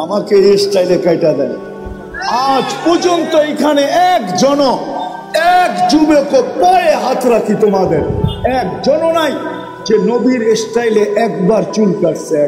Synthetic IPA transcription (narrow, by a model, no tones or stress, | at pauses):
amakeesʈajlekajʈad̪ɛ̰n | ad͡ʒpod͡ʑont̪oekʰaneɛkd͡ʒɔno | ɛkd͡ʒubekopɔjeɦat̪ɾakʰit̪omad̪eɾɛk̚d͡ʒɔnonaj | d͡ʒenobiɾesʈajleʔɛkbaɾt͡ʃulkaɾseɛ